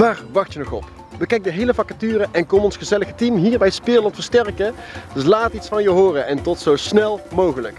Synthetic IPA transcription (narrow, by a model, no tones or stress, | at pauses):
ʋaːrʋɑxtjənɔχɔ̰p | ʋəkɛjk̚dəɦejləfɑkatyːrəʔɛnkɔmɔnsχəzɛləxətimɦiːɹbɛjspɪːlɑntfəɹstɛrkədɵslaːtitsfɑnjəɦoːrəʔɛntɔtsowsnɛlˠmowɣələk